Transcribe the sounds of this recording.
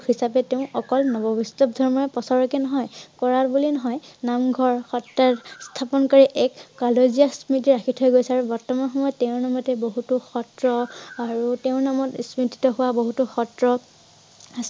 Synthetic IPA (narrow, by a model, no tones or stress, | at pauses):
hisapɛteʊ̃ʔɔkɔlnɔbɔbistɔp̚dʱɔɹmɔɹɛpɔsɔɹɔkɛnɔɦɔjkɔɹatbulinɔɦɔjnamɡʱɔɹxɔtːaɹstʰapɔnkɔɹiʔɛkːɔlozijasmitiɹakʰitʰɦojɡojsɛaɹubɔɹtɔmanxɔmɔjɔtːeʊ̃namɔtɛboɦutuxɔtɹɔaɹuteʊ̃namɔtsmiti̥tɔɦʊwaboɦutuxɔtɹɔ | as